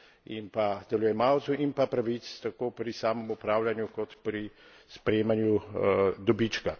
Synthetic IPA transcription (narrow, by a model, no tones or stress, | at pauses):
impad̪̥ɛlujɛmawt̪suʔinpapɾaʋit̪st̪akoːpɾisaːmɔmupɾaːwlanjukɔt̪pɾi | spɾeːmanjud̪ɔbit͡ʃka